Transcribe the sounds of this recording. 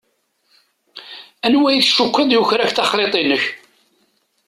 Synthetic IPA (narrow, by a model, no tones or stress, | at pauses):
ænwæjθʃukʷːəðjʊçɾæçθɑχɾet̪ˤinəç